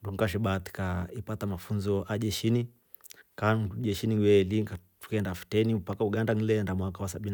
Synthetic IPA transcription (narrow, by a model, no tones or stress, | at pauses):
nduɡŋkaʃ̬ɛɓat̪i̥kaipatamafunzɔʔaʄɛʃini | kanuʄɛʃiniwɛliŋkatu̥kɛndafi̥tɛnipakauɡandan̩lɛndamwakawasaɓin